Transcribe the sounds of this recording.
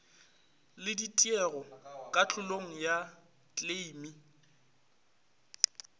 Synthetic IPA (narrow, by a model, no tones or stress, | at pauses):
lɪditʼiɛɣɔkʼat͡ɬʼʊloŋ̩ja | t͡ɬʼleimi